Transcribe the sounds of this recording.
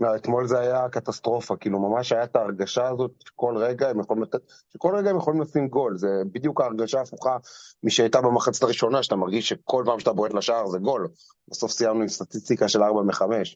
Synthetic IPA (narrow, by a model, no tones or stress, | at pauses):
naet̪mo̞lzeajakat̪ast̪ʁo̞fakiːlumamaʃajat̪aːʁɡaʃaːzo̞t̪ʃe̥ko̞lʁeɡaemjeχolimlat̪et | ʃeko̞lʁeɡaemjeχo̞limlasimɡo̞lzebid̪jukaːʁɡaʃaːfuχamiʃeajt̪abemaχat͡sit̪aʁiʃo̞naʃat̪amaʁɡiʃʃe̞ko̞lpaːmʃat̪aboet̪laʃaaʁzeɡo̞l | baso̞fsijamnuistat̪ist̪ikaʃelaʁbameχame̞ʃ